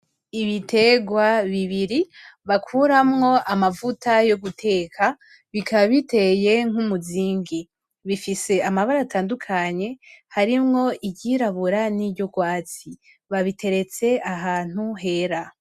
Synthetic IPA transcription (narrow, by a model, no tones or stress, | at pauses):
iβitʰe̞ɡwaβiβiɾiβakʰuɾamŋo̞ʔamavutʰajo̞ɡutʰe̞kʰa | βikʰaβaβite̞je̞ŋ̥humuziːŋɡi | βifise̞amaβaɾataːndukʰaɲe̞haɾimŋo̞iɟiɾaβuɾaniɟo̞ɡwaːt͡si | βaβitʰe̞ɾe̞t͡se̞aɦaːn̥uɦe̞ɾa